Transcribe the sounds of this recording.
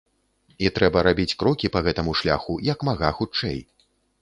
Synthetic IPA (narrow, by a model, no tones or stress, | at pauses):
it̪ɾɛbɐɾabʲit͡sʲkɾɔkʲipɐɣɛt̪ɐmuʂlʲa̰xujɐkmaɣaxut͡ʂɛ̰j